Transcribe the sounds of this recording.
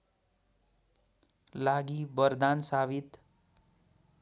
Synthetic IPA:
laɡibʌrd̪ansabit̪

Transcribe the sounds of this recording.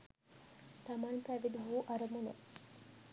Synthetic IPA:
t̪ɐmanpæʋid̪uɦuːʔɐɾɐmunḛ

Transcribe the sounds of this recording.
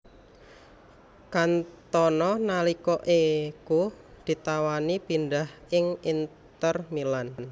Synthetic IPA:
kant̪ɔnɔnalikɔʔeku | d̪̥i̤t̪awanipind̪ahɪŋint̪ərmilann

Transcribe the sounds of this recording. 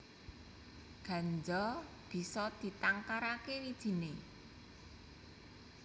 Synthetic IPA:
ɡ̥ä̤ɲd͡ʒɔ | b̥i̤sɔd̪̥i̤t̪aŋkaɾakewid̥ʒ̥i̤ne

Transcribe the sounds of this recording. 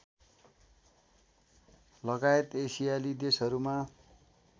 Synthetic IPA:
lʌɡaet̪esijalid̪esɦʌɾuma

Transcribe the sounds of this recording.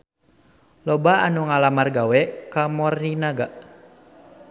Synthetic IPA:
lɔbaanuŋalamarɡawɛkamɔrninaɡaʔ

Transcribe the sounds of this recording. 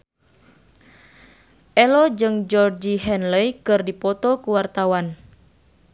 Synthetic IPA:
ʔɛlɔd͡ʒɨŋd͡ʒɔrd͡ʒiɦɛnləjkɨrdipɔt̪ɔkuwart̪awan

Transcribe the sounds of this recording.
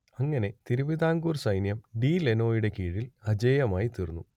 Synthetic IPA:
ɐŋːɐne̞t̪iɾubiðaːŋɡuːrsɐjnjɐmɖiːleno̞ːjuɽe̞kiːɻilɐd͡ʑɐːjɐmaːjit̪irunːu

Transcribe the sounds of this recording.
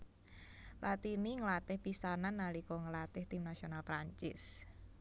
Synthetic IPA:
lʔat̪iniŋəlat̪ɪhpisananːalikɔŋəlat̪ɪht̪ɪmnasionalpɾaɲt͡ʃɪ̰s

